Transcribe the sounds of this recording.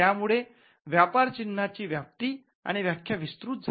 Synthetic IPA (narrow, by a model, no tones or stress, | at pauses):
jamuɭe | ʋjapaɾt͡ɕinːat͡ɕiːʋjap̚t̪iː | a̰ɽ̃iʋjakʰjaʋist̪ɾuːt̪̚d͡zʱ